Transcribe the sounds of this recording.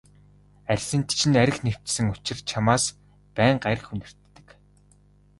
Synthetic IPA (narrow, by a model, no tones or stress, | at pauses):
ærʲsɘ̆nt̪t͡ɕʰɪ̆næɾʲɪ̆xnew̥t͡ɕsɘ̆ŋʊt͡ɕɪ̆rt͡ɕʰamaːs | pæːɴɢaɾ̆xunɘ̆r̥t̪ːɘ̥̆k